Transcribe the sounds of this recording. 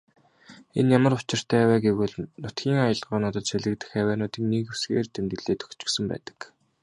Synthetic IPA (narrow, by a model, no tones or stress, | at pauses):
enjamə̆rʊt͡ɕɪ̆r̥t̪ʰæːwæːɡewɘ̆ɮnʊt̪ɡʲiːŋajə̆ɮɢʊːnʊːt̪ə̆t̪ʃæɮɘ̆k̚t̪ɘ̆xæːwæːnʊːt̪iːŋnikusɡeːrt̪emt̪ɡɘ̆ɮeːt̪ʰɵ̥kt͡ɕɪ̥̆ksɘ̆mpæ̰ːt̪ə̥̆k